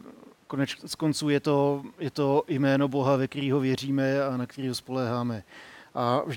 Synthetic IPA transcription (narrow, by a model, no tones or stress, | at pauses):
konɛt͡ʃt͡sko̞nt͡suːjɛt̪o̞jɛt̪o̞jmɛːno̞bo̞ɦavɛkt̪ɛɾiːɦo̞vjɛr̝iːmɛanakt̪ɛɾiːɦospo̞lɛːɦaːmɛʔavʒ